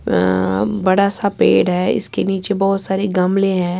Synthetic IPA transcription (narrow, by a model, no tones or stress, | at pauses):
bɐɽasapḛːɽɦɛːɪ̰skeniːt͡ʃebɔːt̪saːɾeɡɐmleɦɛ̃ː